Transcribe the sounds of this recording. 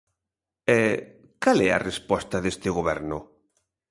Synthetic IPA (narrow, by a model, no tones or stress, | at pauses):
ɛ | kalɛɐ̰respɔst̪ɐðest̪ɪɣoβɛɾnʊ